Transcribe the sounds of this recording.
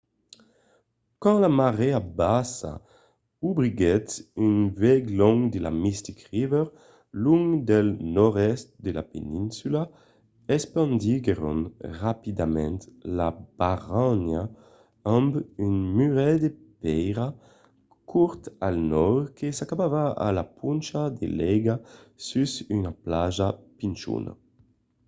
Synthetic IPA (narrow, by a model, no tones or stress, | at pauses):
kɑ̃lamaʁɛabasa̰ | ubʁiɡɛtynvɛɡlɔŋd̪ela̰mist̪ikʁivɛʁ | luŋɡd̪ɛlnɔʁɛst̪̚d̪ela̰pḛnĩnsyla | ɛspɑ̃nd̪iɡeʁo̰nʁapid̪amɛ̰̃nt̪lab̥aʁana | ambynmyʁɛd̪epɛjʁa | kʰuɾt̪alnɔɾkesakabavaa̰lapunt͡ʃad̪ḛlɛɡasysynaplaʒapint͡ʃṵna̰